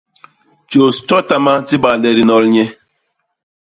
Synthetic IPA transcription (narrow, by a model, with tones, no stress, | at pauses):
t͡ʃo˨stɔ˦ta˦ma˦ti˦ba˨lɛ˨ɾi˨nɔ˦lɲɛ˦